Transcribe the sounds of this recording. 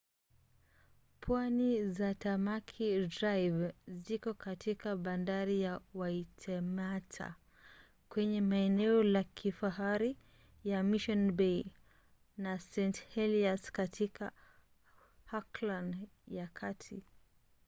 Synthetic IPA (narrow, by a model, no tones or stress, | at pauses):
pʰwanizatamakʰidɾajvzikɔkatʰikaɓandaɾijawaitʰɛmatʰa̰ | kwɛɲɛmaɛnɛɔlakʰifaɦaɾi | jamiʃɔnbɛj | nasɛnthɛliaskatʰika̰ | haklanjakʰatʰi